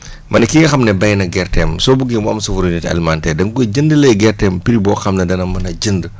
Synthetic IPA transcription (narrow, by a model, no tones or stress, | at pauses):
mɐnɐkiŋɐxɐmnɛbɐjnɐɡɛrtɛːmsɔːbuɡimamsɐfuɾunɛtɐ̰lmantɛːdɐŋkuɟəndəlɛɡɛrtɛmpiɾibɔːxɐmnɐdɐnɐmɐnɐɟəndə